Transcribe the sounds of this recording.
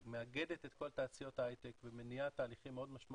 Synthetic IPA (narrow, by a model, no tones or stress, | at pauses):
meaɡe̞d̪e̞t̪e̞t̪ko̞lt̪aːt͡sijo̞t̪haajt̪ekvemenijat̪aːliχimːeo̞d̪maʃma